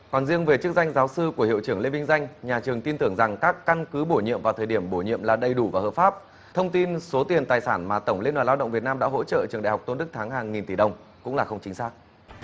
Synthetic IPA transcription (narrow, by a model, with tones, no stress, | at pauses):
kaː˨˩nzi˧əŋve˨˩t͡ɕɨ˦˥ək̚za˧jŋ̟zaː˨˦wsɨ˧ku˧˩əhḭ˧˨wt͡ɕɨ˧˩əŋle˧mï˧ŋ̟za˧jŋ̟ɲaː˨˩t͡ɕɨ˨˩əŋt̪i˧nt̪ɨ˧˩əŋza˨˩ŋkaː˦˥kːa˧nkɨ˨˦ɓo˧˩ɲḭ˧əmvaː˨˩t̪ʰəː˨˩jɗi˧˩əmɓo˧˩ɲḭ˧˨əmlaː˨˩ɗə˨˩jɗu˧˩vaː˨˩həː˨˩faː˦˥p̚ | t̪ʰə˧wŋ͡mt̪i˧nso˨˦t̪i˨˩ənt̪aː˨˩jsaː˧˩nmaː˨˩t̪ə˧˩wŋ͡mle˧nwaː˨˩la˧wɗə̰˧˨ŋ͡mvi˨˩ət̚naː˧mɗa̰ː˧˥ɦo̰˧˥t͡ɕə̰ː˧˨ʔt͡ɕɨ˧˩ŋɗ̰a̰ː˧˨˩ha˨˩w̚k͡p̚to˧nɗɨ˦˥k̚t̪ʰaː˨˦ŋɦaː˨˩ŋŋi˨˩nt̪i˧˩ɗə˨˩wŋ͡m | kʊ̰˧˥ŋ͡mlaː˨˩xə˧wŋ͡mt͡ɕï˨˦ŋ̟saː˦˥k̚